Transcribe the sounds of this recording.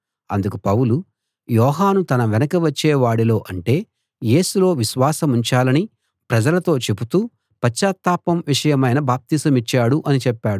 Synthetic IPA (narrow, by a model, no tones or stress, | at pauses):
ɐ̰nd̪ukupɐwulu | jɔːɦaːnut̪ɐnɐʋɛnɐkɐʋɐt͡ʃːeːʋaːɽilo̞ːʔɐɳʈe̞ː | je̞ːsulo̞ːʋiʃʋaːsɐmuɲt͡ʃaːlɐni | pɾɐd͡ʒɐlɐt̪o̞ːt͡ʃe̞but̪uː | pɐt͡ʃʃaːt̪ːaːpɐmʋiʂɐjɐmɐjnɐbaːp̚t̪iːsɐmit͡ʃːaːɽuʔɐnit͡ʃɛpːaːɽu